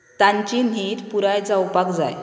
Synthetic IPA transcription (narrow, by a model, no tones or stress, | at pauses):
t̪aɲt͡ɕin̤iːt̪puɾajd͡zawpakd͡za̰j